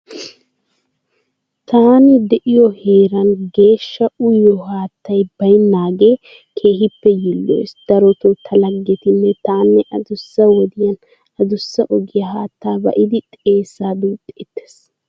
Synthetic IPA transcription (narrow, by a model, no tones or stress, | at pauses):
t̪aːnɪd̪ɛʔɪjɔheːɾɐnɡe̞ːʃːɐʊjːɔhaːt̪ːɐjbɐjnːaːɡeː | kʰeːɦɪpːɛjɪlːo̰jsd̪̥ɐɾɔt̪ɔt̪ʰɐlɐɡːɛt̪ɪnːɛt̪aːnːɛʔɐd̪ʊsːɐwɔd̪ɪjɐn | ɐd̪ʊsːɐʔɔɡɪjɐɦaːt̪ːaːbɐ̰ʔɪd̪ɪt̪ʼe̞ːsːaːd̪uːt̪ʼːɛɛt̪ːe̥s